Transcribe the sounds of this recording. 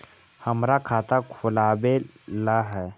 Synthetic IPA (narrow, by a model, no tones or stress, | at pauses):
həmɾakʰat̪akʰulaʋelaɦɛ